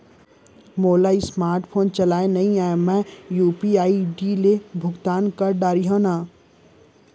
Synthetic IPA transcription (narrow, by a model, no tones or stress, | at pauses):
moːlaːismaːɾʈpʰoːnt͡ʃɐlaːenɐɦĩaːmɛ̃juːpiaːiɖilebʱʊɡt̪aːnkɐɾɖaːɾiɦõnaː